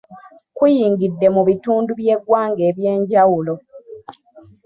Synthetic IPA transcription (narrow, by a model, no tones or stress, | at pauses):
kujiːŋɡidːe̞muβituːnduβje̞ɡwaːŋɡe̞ːβje̞ːɲɟawulo